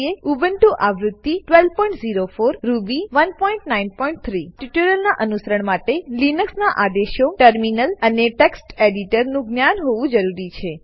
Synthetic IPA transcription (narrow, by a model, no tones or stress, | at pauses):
eubənʈũʔaʋɾʊd̪ːiʈʋel̚pɔ̃iɳʈziɾofoɾːubiʋənpɔĩɳʈnainpɔiɳʈ̚t̪ʰɾiʈiʈuɾəlnaʔənusəɾəɳmaʈelinəksnaʔad̪eʃoʈəɾminələneʈeksʈeɖiʈəɾnũɡnjanɦoʋũd͡ʒəɾuɾit͡ʃʰe